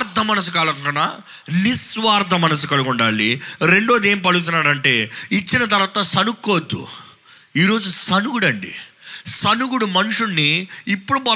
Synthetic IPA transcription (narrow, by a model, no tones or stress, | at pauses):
ɾd̪ʱɐmɐnɐs̬ukɐɭɐɐna | nisʋaːɾd̪ʱɐmɐnɐs̬ukɐɭuɡuɳɖa̰ːɭiɾe̞ɳɖoːd̪e̞ːmip̬ɐluɡut̪̬unːaːɾɐɳʈe̞ːit͡ʃːinɐt̪ɐɾʋaːt̪ɐsɐnukːoːd̪ːṵ | iːɾo̞ːd͡ʒusɐnuɡuɽɐɳɖḭsɐnuɡuɽumɐnuʂunːiːpːuɽubɐ